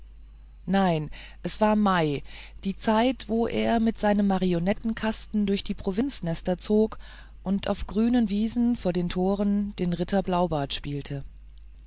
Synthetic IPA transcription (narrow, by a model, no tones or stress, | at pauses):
naɪnʔɛsv̥aːɐmaɪd̥iːt͡saɪtv̥oːʔḛːɐmɪtz̥aɪnəmːaʁionɛtn̩kʰastn̩dʊɐçd̥iːpʁ̥ovɪnt͡snɛstɐt͡soːk | ʔʊntʔa̰ʊfɡ̥ʁyːnənviːzn̩foːɐdeːntʰoːʁənd̥eːnʁɪtʰɐblaʊbaɐtʃpiːltʰə